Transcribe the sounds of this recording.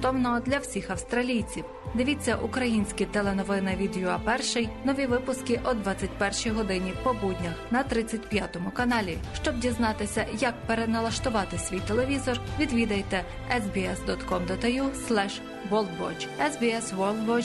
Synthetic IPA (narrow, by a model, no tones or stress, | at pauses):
t̪ɔwnɔɔd̪lʲɐwsʲixɐwst̪ɾɐlʲijt͡sʲiw | d̪ɪʋʲit͡sʲːɐʔukɾɐjinʲsʲkʲit̪ɛlˠenɔʋɪnɪʋʲid̪juɐpɛrʃɪjnɔʋʲiʋɪpʊskɪʔɔd̪ʋɑt͡sʲːɐtʲpɛrʃijɦɔd̪ɪnʲipɔbudʲnʲɐxnɐt̪ɾɪt͡sʲːɐtʲpjɑt̪ɔmʊkɐnɑlʲiʃt͡ʃɔbdʲiznɑt̪ɪsʲɐjɐk̚peɾenɐlˠɐʃt̪ʊʋɑt̪ɪsʲʋʲijt̪elˠeʋʲizɔrʋʲid̪ʋʲid̪ɐjt̪ɛ | ɛzbʲiɛsd̪ɔt̪kɔmd̪ɔt̪ɐjuslˠɛʃ | ʋɔlˠd̪bɔ̰d͡ʒɛzbʲiɛsʋɔlˠd̪ʋɔ